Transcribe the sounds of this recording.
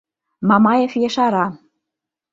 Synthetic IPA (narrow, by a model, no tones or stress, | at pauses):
mɑmɑjefjeʃɑɾɑ